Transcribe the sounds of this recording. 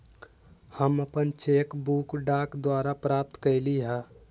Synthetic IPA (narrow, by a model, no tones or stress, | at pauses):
həməpənt͡ʃeːkbuːkɖaːkd̪waːɾapɾaːp̚t̪kəɪliɦaː